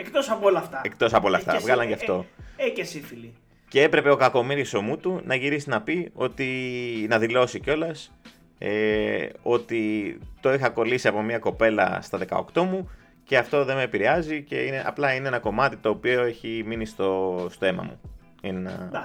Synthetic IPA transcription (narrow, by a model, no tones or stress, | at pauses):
ekt̪osɐpoolɐft̪ɐek̚t̪o̞sɐpolɐft̪ɐ̰vɣɐlɐɲʝɐft̪o̞ecesifili | ce̞e̞pɾe̞peo̞kɐko̞miɾiso̞mut̪unɐʝiɾisinɐpio̞t̪inɐðilo̞sico̞lɐs | eo̞t̪it̪o̞ixɐko̞lisiɐpo̞miɐko̞pe̞lɐ̰st̪ɐðe̞kɐ̰o̰kt̪o̞mu | ce̞ɐft̪o̞ðe̞meːpiɾeɐzice̞̰ineʔɐ̰plɐineenɐko̞mɐt̪it̪o̞ːpio̞e̞çiminist̪ost̪o̞e̞mɐ̰mṵ | inenɐ̰